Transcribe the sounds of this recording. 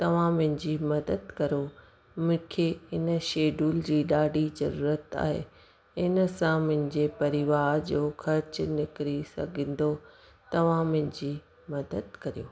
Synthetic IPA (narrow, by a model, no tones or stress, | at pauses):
t̪ɐʋ̤ãmʊ̃ɦɪ̃d͡ʑiːmɐd̪əd̪kɐɾo | mʊ̃kʰeɪnəʃeːɖʱuːld͡ʑiːɗaːɖʱizɐ̰ɾuːɾət̪a̰ːɦḛː | ɪnəsãmʊ̃ɦɪ̃̆d͡ʑepɐɾɪʋaːɾd͡ʑoːxʰɐɾt͡ɕʊnɪkɪɾisɐ̰ɡʱə̃n̆d̪o | t̪ɐʋ̤ãmʊ̃ɦɪ̃̆d͡ʑiː | mɐd̪əd̪̚kɐɾijoː